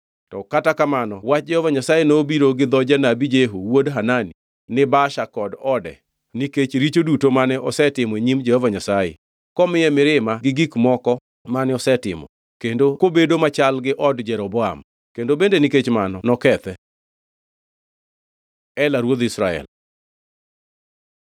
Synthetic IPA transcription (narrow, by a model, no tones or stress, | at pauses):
tɔkatakamanɔwat͡ʃ̚d͡ʒɛhɔvaɲasajenobiɾoɡɪd̪ɔd͡ʒanabid͡ʒeɦuwodɦanani | nɪbaʃakɔdɔdɛ̰ | niket͡ʃɾit͡ʃodutomanɛʔɔsɛtɪmɔeɲimd͡ʒɛhɔvaɲasajḛ | kɔmɪjɛmɪɾɪmaɡɪɡikmɔkɔ | manɛɔsɛtɪ̰mɔ̰ | kendokobedomat͡ʃalɡɪʔɔdd͡ʒɛɾɔbɔam | kendobendeniket͡ʃmanɔnɔkɛt̪ɛ | ɛlaɾwod̪isɾaɛ̰l